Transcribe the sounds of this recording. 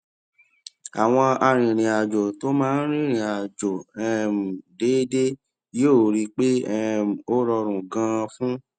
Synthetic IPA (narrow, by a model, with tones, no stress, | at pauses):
a˨w̃ɔ̃˧a˧ɾ̃ĩ˨ɾ̃ĩ˨a˨d͡ʒo˨to˦mãː˦˧n̩˦ɾ̃ĩ˦˨ɾ̃ĩ˨a˨d͡ʒo˨ɛ˧m̩˨de˨˦de˦ | je˦˨ɾi˦k͡pe˦ɛ˦˨o˦ɾɔ˧ɾ̃ũ˨ɡã˧fũ˦